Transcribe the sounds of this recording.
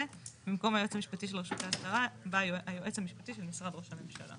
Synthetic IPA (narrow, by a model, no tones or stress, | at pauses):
ebimko̞mhajoet͡samiʃpatiʃ̬elʁeʃut̪east̪aʁabaajoʔet͡shamiʃpatiʃe̞lmisʁad̪ʁo̞ʃame̞mʃa̰la̰